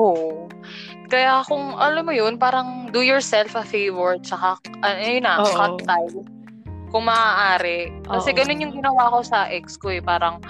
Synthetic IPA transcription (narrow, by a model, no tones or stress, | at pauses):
ʔoʔ | kɐjakʊŋʔɐlɐmːojonpaːɾɐŋd̪ujɔɹsɛlfɐfejvɔɹt͡ʃɐkaʔɐjonɐkɐt̪t̪aj | kʊŋmɐːaːʔaːɾɛʔkɐsɛɡɐno̞njʊŋɡɪnɐwaːko̞sɐʔɛk̚skoɛpaːɾɐŋ